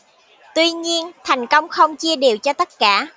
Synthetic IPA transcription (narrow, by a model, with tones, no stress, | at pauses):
t̪wi˧ɲi˧ənt̪ʰa˨˩jŋ̟kə˧wŋ͡mxə˧wŋ͡mt͡ɕi˧əɗi˨˩wt͡ɕɔ˧t̪ə˦˥t̚kaː˧˩